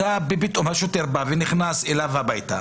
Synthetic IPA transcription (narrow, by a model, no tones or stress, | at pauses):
abebit̪ʼomhaʃot̪eʁbaveniχnaselavhabajt̪a̰